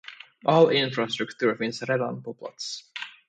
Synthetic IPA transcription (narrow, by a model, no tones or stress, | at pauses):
ʔɔlɪnfɾast̪ɾɵkt̪ʰʉːɾfɪnsɾɛd̪a̰npʰɔpʰla̰t̪s